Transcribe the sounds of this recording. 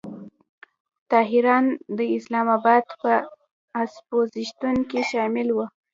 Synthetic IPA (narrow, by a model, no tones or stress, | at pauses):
t̪ɑɦɪɾɑnd̪əɪslɑmɑbɑd̪pə | aspoziʃt̪uŋkiʃɑmɪlwə